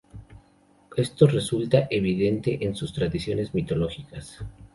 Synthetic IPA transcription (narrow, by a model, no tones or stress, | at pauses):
e̞st̪o̞re̞sult̪aʔe̞βiðe̞nt̪e̞ʔensust̪ɾaðisjo̞ne̞zmit̪o̞lo̞xikas